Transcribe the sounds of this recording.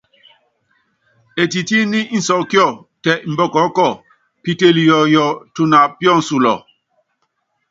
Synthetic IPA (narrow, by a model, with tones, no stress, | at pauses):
e˨ti˨ti˦ni˦n̩˨sɔ˨ʔkjɔ˦˨ | tɛ˨m̩˨bɔ˦˨kɔ˨˦kɔ˦˨ | pi˦te˦˨li˨jɔ˨jɔ˨tu˦na˨pjɔ˦˨n̩˨su˨lɔ̰˨